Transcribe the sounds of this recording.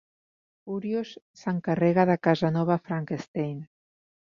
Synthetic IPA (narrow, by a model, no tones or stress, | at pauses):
uɾjusːəŋkərɛɣaðəkazənɔβ̞afɾaŋkest̪ejn